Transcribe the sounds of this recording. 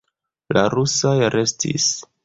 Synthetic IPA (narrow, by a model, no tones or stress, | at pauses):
la̰ɾusajɾe̞stḭs